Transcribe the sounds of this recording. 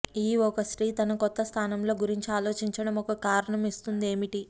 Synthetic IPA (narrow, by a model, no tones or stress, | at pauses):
iːɔkɐsɾiːt̪ɐnɐkɔt̪ːɐst̪ʰaːnɐmlo̞ːɡuɾiɲt͡ʃiaːlo̞ːt͡ʃiɲt͡ʃɐɽɐmɔkɐkaːɾɐɳɐmist̪und̪e̞ːmiʈi